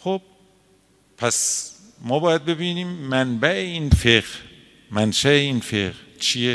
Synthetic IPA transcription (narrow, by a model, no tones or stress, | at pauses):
xob̥̚ | pʰæs | mɒːbɒːjæd̪̚be̞biːniːmːænbæʔeiːnfeɢ | mænʃæeiːnfeʁt͡ʃʰije